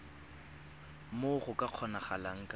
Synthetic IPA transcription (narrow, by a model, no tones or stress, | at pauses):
moχʊkʼaq͡χʰɔnaχalaŋ̩kʼa